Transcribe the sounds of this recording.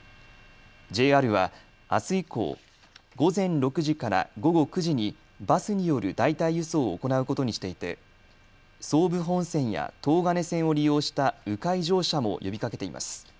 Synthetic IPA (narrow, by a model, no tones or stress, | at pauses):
d͡ʑe̞ːaɾɯ̟βa | a̰sɨiko̞̰ː | ɡo̞zẽ̞nɾo̞kɯ̟ʑikaɾa̰ɡo̞ɡo̞kɯ̟ʑiɲ̟i | basɨɲ̟ijo̞ɾɯ̟d̪ait̪aiɯ̟so̞ːko̞naɯ̟ko̞t̪o̞ɲ̟iɕi̥t̪e̞it̪e̞̰ | so̞ːbɯ̟ɦõ̞ɰ̃sẽ̞ɰ̃ja̰t̪o̞ːɡane̞sẽ̞ɰ̃o̞ɾʲijo̞ːɕi̥t̪aɯ̟kaiʑo̞ːɕamo̞̰jʔo̞bʲikake̞t̪e̞ḭma̰sɨ̥